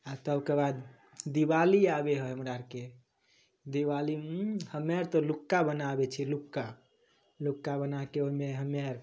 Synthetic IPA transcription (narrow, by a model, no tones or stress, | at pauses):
at̪əbkebad̪ | d̪ibaliabeɦɔɦəmɾaɾke | d̪iʋalihəmaɾt̪ɔlukːabənabet͡ʃʰilukːa | lukːabənakeoimeɦəmaɾ